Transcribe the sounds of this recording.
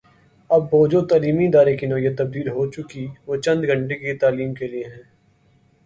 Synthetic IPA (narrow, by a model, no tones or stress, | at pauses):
ɐbːoːd͡ʒot̪aːliːmiɪd̪aːɾekinɔːijət̪ːɐb̚d̪iːlɦot͡ʃʊkiʋoːt͡ʃɐ̃nd̪ɡʱɐ̃ɳʈekit̪aːliːmkelieɦɛ̃ː